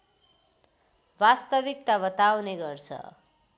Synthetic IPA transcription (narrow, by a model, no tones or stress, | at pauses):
bast̪ʌbik̚t̪abʌt̪awneɡʌrt͡sʰʌ̰